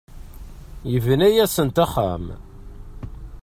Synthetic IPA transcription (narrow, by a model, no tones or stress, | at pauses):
jəvnæjæsənt̪æχːa̰m